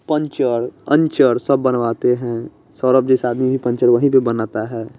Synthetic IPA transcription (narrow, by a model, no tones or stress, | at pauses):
pə̃ɲt͡ʃəɾə̰̃ɲt͡ʃəɾsəbːənʋaːt̪eɦɛ̃ | sɔːɾəpd͡ʒɛːsaːd̪mibʱipə̃ɲt͡ʃəɾʋəɦĩpebənaːt̪aɦɛː